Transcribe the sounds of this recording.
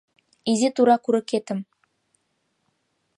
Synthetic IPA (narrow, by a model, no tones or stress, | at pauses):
izet̪uɾɑkuɾɤ̆ket̪ə̆m